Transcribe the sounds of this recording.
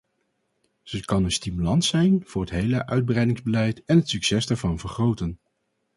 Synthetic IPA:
z̥əkɑnənstimylɑntsɛjnv̥ʊːɹɦətɦejləʔœɥd̚brɛjdɪŋzbəlɛjtɛnɦətsyksɛsdɛːɹvɑnvəɹχrowtən

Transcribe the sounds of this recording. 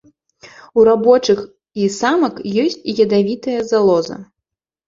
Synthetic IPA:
uɾabɔt͡ʂɨx | isamɐkjɔsʲt͡sʲijɐd̪avʲit̪ɐjɐzalˠɔzɐ̰

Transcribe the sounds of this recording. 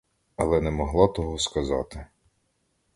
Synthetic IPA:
ɐlˠɛnɛmɔɦlˠɑt̪ɔɦɔskɐzɑ̰t̪ɪ

